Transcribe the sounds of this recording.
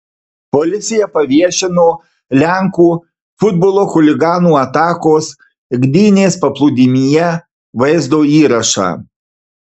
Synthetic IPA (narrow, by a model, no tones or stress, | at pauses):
pɔlʲɪt̪sʲɪjɛpɐʋʲiɛʃʲɪnoː | lʲæŋkuː | fʊd̪boːlˠoːxʊlʲɪɡɑːnuːɐt̪ɑːkoːs | ɡd̪ʲiːnʲeːspɐplˠʊːd̪ʲɪmʲijɛ | ʋɐɪzd̪oːiːɾɐʃɑ̰ː